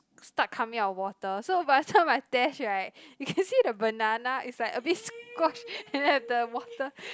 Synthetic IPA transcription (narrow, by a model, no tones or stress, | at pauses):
stat̚kʰamĩŋaəwɔtəsobaɪdətʰãmaɪtɛʃɹaɪt̚jukʰɛ̃nsidəbənanaʔitslaɪkəbitskɔʃɛ̃nhɛvdəwɔtə